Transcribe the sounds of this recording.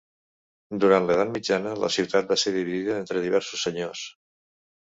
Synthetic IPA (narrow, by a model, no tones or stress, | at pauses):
d̪uɾant̪leðat̪mid͡ʒanələ̰siwt̪at̪̚baseɾðiβiðiðəent̪ɾəðiβ̞ɛɾsu̥sːəɲos